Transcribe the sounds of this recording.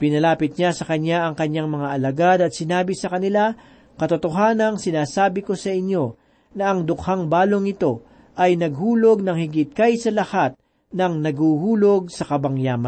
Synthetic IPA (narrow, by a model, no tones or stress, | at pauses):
pɪnɐlaːpɪt̪̚ɲasɐkɐɲaʔɐŋkɐɲːaŋmɐŋaʔɐlɐɡad̪ɐt̪sɪnaːbɪsɐkɐnɪla | kɐt̪ʊt̪oɦaːnɐŋsɪnaːsaːbɪko̞sɐʔɪɲjo̞ | nɐɐŋd̪ʊkhaŋbaːloŋɪt̪o̞ | ʔɐjnɐɡhuːlo̞ɡ̚nɐŋhɪɡɪt̪̚kajsɐlɐhat̪̚ | nɐŋnɐɡhuːhuːloɡ̚sɐkɐbɐŋjaːmɐn